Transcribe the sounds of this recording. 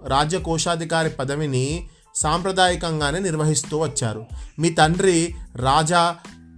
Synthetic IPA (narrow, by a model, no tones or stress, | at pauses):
ɾaːd͡ʒɐkɔːʂaːd̪ʱikaːɾipɐd̪ɐʋini | saːmpɾɐd̪aːjikɐŋɡaːneːniɾʋɐɦist̪uːʋɐt͡ʃːa̰ːɾumiːt̪ɐɳɖɾiɾaːd͡ʒɐ